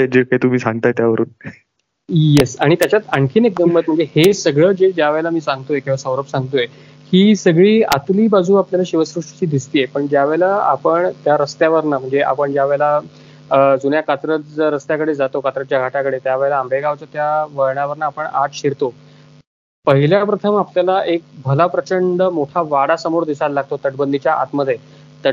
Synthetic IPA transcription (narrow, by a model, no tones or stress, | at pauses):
d͡ʑekaɦit̪um̤iːsãŋɡt̪aet̪jaʋəɾṵːn | jesaɽ̃it̪jat͡ɕjat̪əɳkʰiːnek̚d̪əmbət̪məɳd͡zehesəɡɭəːd͡ʑed͡ʑjaʋəjlamiːsaŋɡt̪ojekĩwʋasəʋɾəpsãŋɡt̪oje | kiːsəɡɭiːa̰t̪liːbad͡zuːapljalaɕiʋəsɾuʂʈt͡ɕiːd̪ist̪iːepəɳd͡ʑjaʋəjlaa̰pəɳt̪jaɾəst̪jaʋəɾnam̤əɳd͡zeʔa̰pəɳd͡ʑjaʋəjla | d͡zunjakat͡s̪ɾət̪ɾəst̪jakəɽed͡zat̪okat͡s̪ɾət̪̚t͡ɕjaɡʱaʈakəɽet̪jaʋejləːmɾeɡaʋt͡sət̪jaʋəɾɳaʋəɾnaːpəɳat̪ɕiɾt̪o | pəɦiljapɾət̪ʰəmapljalaʔek̚bʱəlapɾət͡ɕəɳɖəmoʈʰaʋaɽasəmoɾd̪isallaɡ̚t̪ot̪əʈbənd̪ʱit͡ɕjaʔa̰t̪məd̪ʱːje | t̪ə